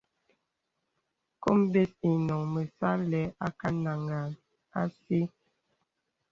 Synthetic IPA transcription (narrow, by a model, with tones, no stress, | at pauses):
ko˦mbe˦si˨nɔ˨ŋmə˨sa˦lɛ˨˦a˦ka˦na˨ŋa˨n | a˦si˦